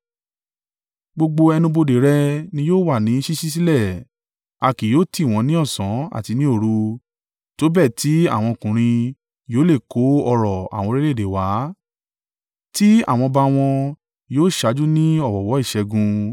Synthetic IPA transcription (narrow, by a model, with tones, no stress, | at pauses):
ɡ͡bo˧ɡ͡bo˧ɛ˧nũ˧bo˧de˨ɾɛ˧nĩ˧˦joː˦˨wa˦˨nĩ˨˦ʃi˦ʃi˦s̬i˦lɛ˦˨ | a˧ki˨joː˦ti˦˨w̃ɔ̃˨˧˦nĩ˦ɔ˦˨sã˨˦a̰˦˨ti˧nĩ˦o˦˨ɾu˧ | to˨˦bɛ˦˨ti˨˦a̰˦˨w̃ɔ̃˧kũ˨ɾ̃ĩ˧ | joː˦le˦˨ko˨˦ɔ˧ɾɔ˨a̰˨wɔ̃˧ɾe˦le˦˨de˨wa˨˦ | ti˦a̰˦˨w̃ɔ̃˧ba˧w̃ɔ̃˧ | joː˦˨ʃa˨˦d͡ʒu˦nĩ˦ɔ˦˨wɔ˨wɔ˨˦i˦˨ʃɛ˧ɡũ˧